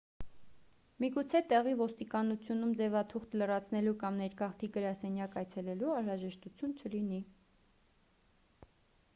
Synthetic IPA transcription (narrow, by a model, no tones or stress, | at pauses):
miɡut͡sʰɛt̪ɛʁivɔst̪ikɑnut͡sʰjunumd͡zɛvɑt̪ʰuχt̪ʰlərɑt͡sʰnɛlukɑmnɛɾkɑχt̪ʰiɡəɾɑsɛnjɑkɑjt͡sʰɛlɛluɑnɾɑʒɛʃt̪ut͡sʰjunt͡ʃʰəlini